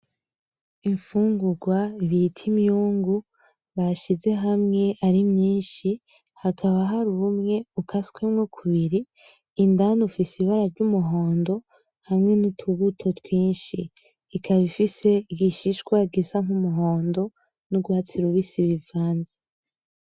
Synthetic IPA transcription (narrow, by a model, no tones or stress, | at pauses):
iɱfuːŋɡuɡwaiβitʰimjuːŋɡu | βaʃize̞ɦamŋe̞ʔaɾimɲiːnʃi | hakʰaβaɦaɾuumŋe̞ukʰaskwemŋokʰuβiɾiː | ndanufisiiβaɾavɟumuɦo̞ːndo̞ | hamŋe̞nitʰuβutʰo̞twiːnʃiː | kʰaβifise̞iɡiʃiʃkwaɡisaŋ̥umuɦo̞ːndo̞ | nuɡwaːt͡siɾuβisiβivaːnze̥